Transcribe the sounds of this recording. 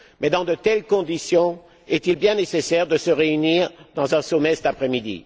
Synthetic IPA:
mɛd̪ɑ̃d̪ət̪ɛlkɔ̃d̪isjɔ̃ | ɛt̪ilbjɛ̃nesesɛʁd̪əsəʁeyniːʁd̪ɑ̃zɛ̃sɔmɛsɛt̪apχɛmid̪ḭ

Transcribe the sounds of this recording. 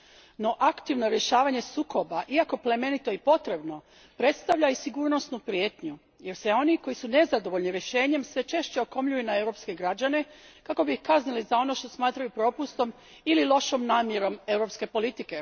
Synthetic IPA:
no̞ʔakt̪iʋno̞ɾje̞ʃaːʋaɲe̞suːkʰo̞baʔiako̞ple̞me̞nit̪o̞ipo̞t̪ɾe̞bno̞ | pɾe̞t̪st̪aʋʎaisiɡuːɾno̞snupɾijeːt̪ɲu | je̞ɾseo̞niko̞jisune̞zad̪o̞ʋo̞ʎʲniɾjeʃe̞ːɲe̞msʋe̞t͡ʃe̞ʃt͡ɕe̞oko̞mʎujunae̞wɾo̞pske̞ɡɾad͡ʑane̞kako̞bihkaznilizao̞no̞ʃt̪o̞smaːt̪ɾajupɾo̞ːpust̪o̞m | ililˠo̞ʃomnaːmje̞ɾo̞me̞wɾo̞ːpske̞po̞lit̪ike̞

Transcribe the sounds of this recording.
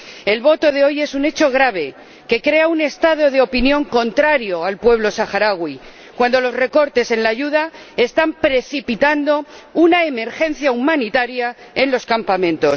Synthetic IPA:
e̞lβo̞t̪o̞ðe̞o̞je̞sune̞t͡ʃo̞ɣ̞ɾaβ̞e̞ | ke̞kɾe̞aune̞st̪að̞o̞ð̞e̞o̞pinjõ̞ŋko̞nt̪ɾaɾjo̞alpwe̞β̞lo̞saxaɾaɣwi | kwand̪o̞lo̞zre̞ko̞ɾt̪e̞se̞nlaʝuðae̞st̪ampɾe̞θipit̪and̪o̞unae̞me̞ɾxe̞n̟θjaumãnit̪aɾja | e̞nlo̞skampamẽ̞nt̪o̞s

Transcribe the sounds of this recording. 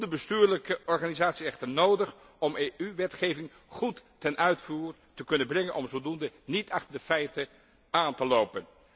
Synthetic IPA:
dəbəstyːɹləkəʔɔɹχaːnizaːtsiɛχtəɹnowdəχ | ɔmeʔyʋɛtχejvɪŋ | χutː | ɛnʔœɥtfuːɹ | təkɵnənbrɛŋənʔɔmvolˠdundənitɑχtəɹdəfɛjtə | aːntəlowpən

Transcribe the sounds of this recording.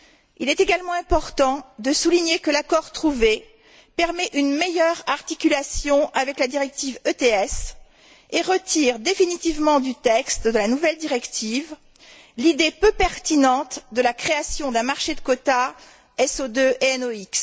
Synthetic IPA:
ḭlɛt̪eɡalmɑ̃ɛ̃pɔʁt̪ɑ̃d̪əsuliɲekəlakɔʁt̪χuve | pɛʁmɛʔynmejœʁaʁt̪ikʲylasjɔ̃ʔavɛklad̪iʁɛk̚t̪ivøt̪eɛs | eʁət̪iʁd̪efinit̪ivmɑ̃d̪yt̪ɛkst̪d̪əlanuvɛld̪iʁɛkt̪iv | lid̪epøpɛʁt̪inɑ̃t̪d̪əlakχeasjɔ̃d̪ɛ̃maʁʃed̪əkot̪a | ɛsod̪øʔeɛnoiks

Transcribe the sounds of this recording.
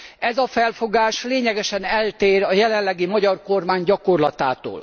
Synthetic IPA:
ɛzɒfɛlfo̞ɡaːʃleːɲɛɡɛʃɛnɛlt̪eːrɒjɛlɛnlːɛɡimɒɟɒrko̞rmaːɲɟɒkorlɒt̪aːt̪o̰ːl

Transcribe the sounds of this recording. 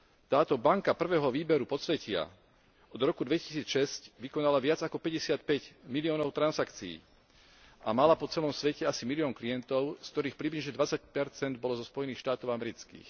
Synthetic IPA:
t̪aːt̪ɔbaŋkapr̩ʋɛːɦɔʋiːbɛɾupɔst͡sʋɛcɪa̰ | ɔd̪ɾɔkud̪ʋɛci̥siːt͡sʃɛscʋikɔnalaʋɪad͡zakɔpɛɟɛsɪat̪̚pɛɟmiliɔːnɔʊt̪ɾanzakt͡siḭː | ʔamalapɔt͡sɛlɔmsʋɛcɛasimiliɔːŋklijɛnt̪ɔʊskt̪ɔɾiːxpɾibliʒɲɛd̪ʋat͡sac̚pɛɾt͡sɛnd̪̚bɔlɔzɔspɔjɛniːxʃt̪aːt̪ɔʊamɛɾit͡skḭːx

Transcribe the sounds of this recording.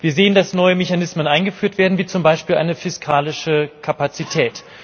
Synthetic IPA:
v̥iːɐzeːəndasnɔʏəmeçanɪsmənʔaɪnɡəfyːɐtv̥eːɐdn̩viːt͡sʊmbaɪʃpiːlʔa̰ɪnəfɪskʰaːlɪʃəkʰapat͡sitʰɛːt

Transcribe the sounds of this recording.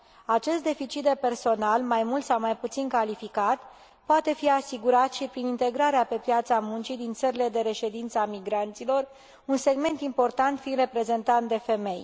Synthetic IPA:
at͡ʃe̞st̪̚d̪e̞fit͡ʃit̪̚d̪e̞pe̞rso̞nalmajmult̪sawmajput̪sinkalifikat̪ | poat̪e̞fiasiɡuɾat̪ʃipɾinint̪e̞ɡɾaɾeape̞pjat̪samunt͡ʃid̪int̪səɾile̞d̪e̞ɾe̞ʃe̞d̪int̪səamiɡɾant̪silo̞r | unse̞ɡme̞nt̪impo̞rt̪ant̪fire̞pɾe̞ze̞nt̪ant̪d̪e̞fe̞me̞j

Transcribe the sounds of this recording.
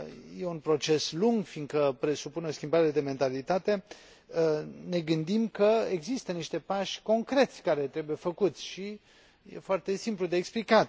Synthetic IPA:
je̞unpɾo̞t͡ʃe̞sluŋɡfiŋɡ̪kəpɾe̞supuneo̞skʲimbaɾe̞d̪e̞me̞nt̪alit̪at̪e̞ | ne̞ɡɨnd̪imkəeɡzist̪əniʃt̪e̞paʃko̞ŋkɾe̞t̪sʲkaɾe̞t̪ɾe̞buje̞fəkut̪sʲʃi | je̞̰foart̪e̞simplud̪e̞ːksplika

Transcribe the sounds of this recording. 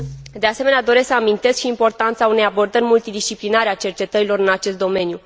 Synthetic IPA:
d̪ease̞me̞nead̪o̞ɾe̞sksəamint̪e̞skʃiːmpo̞rt̪ant̪saune̞jabo̞rd̪ərʲmult̪id̪ist͡ʃiplinaɾeat͡ʃe̞rt͡ʃe̞t̪əɾilo̞ɾɨnat͡ʃe̞st̪̚d̪o̞me̞nju

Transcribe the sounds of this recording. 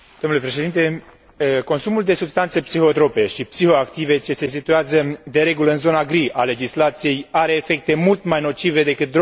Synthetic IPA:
d̪̥omnule̞pɾe̞ʃe̞d̪int̪e | ko̞nsumuld̪e̞subst̪ant̪sepsixo̞t̪ɾo̞pe̞ʃipsiho̞akt̪ive̞t͡ʃe̞se̞s̬it̪ueazəd̪e̞ɾe̞ɡuləɨnzo̞naɡɾiʔale̞d͡ʒislat̪sije̞jaɾe̞ːfe̞k̚t̪e̞mult̪majno̞t͡ʃive̞d̪e̞kɨt̪̚d̪ɾo

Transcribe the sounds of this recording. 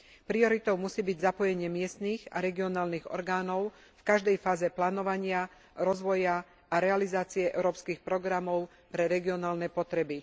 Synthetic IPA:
pɾiɔɾit̪ɔʊmusiːbiɟzapɔjɛɲɪɛmɪɛst̪niːɣa̰ɾɛɡiɔnaːlniɣɔ̰ɾɡaːnɔʊfkaʒd̪ɛjfaːzɛplaːnɔʋaɲɪa | ɾɔzʋɔja | aɾɛalizaːt͡siɛʔɛ̰ʊɾɔːpskiːxpɾɔɡɾamɔʊ | pɾɛɾɛɡiɔnaːlnɛpɔt̪ɾɛbi

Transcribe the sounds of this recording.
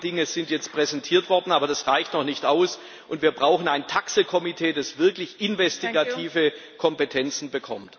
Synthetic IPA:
d̥ɪŋəz̥ɪntjɛt͡stpʁ̥ɛzɛntʰiːɐtv̥ɔɐdn̩aːbɐdasʁaɪçtnɔχnɪçtaʊs | ʔʊntv̥iːɐbʁaʊxn̩aɪntʰaksəkʰɔmitʰeːdasv̥ɪɐklɪçʔɪnvɛstiɡatʰiːvə | kʰɔmpetʰɛnt͡sn̩bəkʰɔmt

